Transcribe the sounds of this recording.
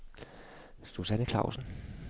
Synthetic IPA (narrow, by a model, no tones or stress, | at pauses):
susænəkʰlɑ̈ʊsn̩